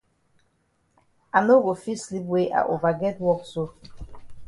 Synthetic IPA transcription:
a˨no˦ɡo˨fi˦sli˦pwe˦ʔa̰˨ʔo˨va˨ɡɛ˦t̚wɔ˦kso˦

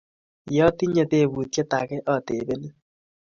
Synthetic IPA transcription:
jɔ˦ti˦ɲe˦te˦˨βu˨t̪̚ke˦ta˨kɛ˦ʔɔ˨te˨be˦ni˦

